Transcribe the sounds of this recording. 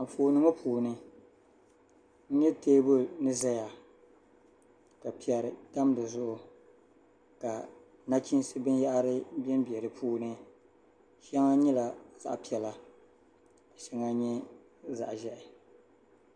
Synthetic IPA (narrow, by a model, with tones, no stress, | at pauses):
a˨m̩˨foː˨nɨ˨˦ŋa˦pʰuː˨nɨ˦ | n̩˦ɲɛ˦teː˦bʊ˦nɨ˦za˦ja˨ | ka˨pi˨ɛ˨ɾɨ˨ta˦m˦dɨ˨zʊ˦ʔʊ˨ | ka˨ | na˦t͡ʃi˦n˦sɨ˦bɨ˦ja˦ʔa˦ɾɨ˦bɛ˦mbi˨ɛ˨ɾɨ˨pʰuː˦nɨ˦ | ʃɛa˦ŋa˦ɲɛ˦la˨za̰˨ʔpi˦˨ɛ˨la˨ | ka˨ʃɛ˨ŋa˦ɲɛ˦ | za̰˨ʔʒɛ˦ʔɪ˨